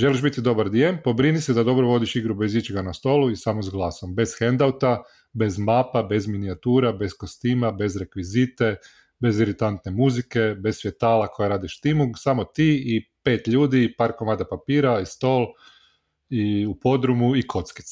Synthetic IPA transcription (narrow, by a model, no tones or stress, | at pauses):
ʒe̞liʒbit̪id̪o̞baɾd̪jempo̞bɾinised̪ad̪o̞bɾoʋo̞d̪iʃiɡɾube̞zit͡ʃiɡanast̪o̞ːluisamozɡlˠaːso̞mbe̞zxend̪awt̪a | be̞zmapabe̞zminiat̪uːɾabe̞skost̪iːmabe̞zɾe̞kʋizit̪e̞ | be̞ziɾit̪ant̪ne̞muzike̞be̞ssfʋjet̪aːlakʰo̞jaɾaːd̪iʃt̪imuɡsamo̞t̪iːipe̞ːt̪ʎuːd̪iːpaːɾko̞maːd̪apapiːɾaist̪o̞ːlˠ | iupo̞d̪ɾumuikʰo̞t̪ski̥t̪s